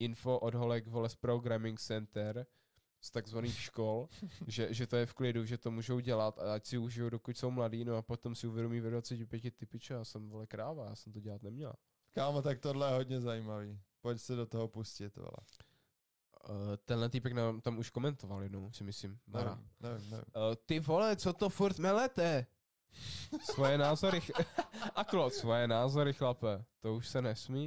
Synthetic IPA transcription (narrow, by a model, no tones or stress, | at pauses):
ʔɪnfo̞ʔodɦolɛkvolɛspɾoɡɾamɪŋksɛnt̪ɛɾ | st̪aɡzvaniːxʃko̞lʒɛʒɛt̪ojɛfklɪduʒɛt̪o̞muːʒowɟɛlat̪aacsɪuʒɪjowdo̞kucso̞wmladiːnoapot̪o̞msɪuvjɛdomiːvɛdvat͡sɛcɪpjɛcɪt̪ɪpɪt͡ʃɛjaːsɛmvolɛkɾaːvaja̰ːsɛmt̪oɟɛlat̪nɛmɲɛla̰ | kaːmot̪ak̚t̪odlɛjɛɦod̪ɲɛzajimaviːpocsɛdot̪oɦopuscɪt̪vo̰lɛ̰ | t̪ɛnlɛt̪ipɛknaːmt̪amuʃkomɛnt̪ovaljɛdnowsɪmɪslimmɛɾa̰mnɛvɪmnɛvɪ̰mt̪ɪvolɛt͡sot̪ofuɾt̪mɛlɛt̪ɛ | svojɛnaːzoɾɪxʔak̪losvojɛnaːzoɾɪxlapɛt̪ouʃsɛnɛsmiː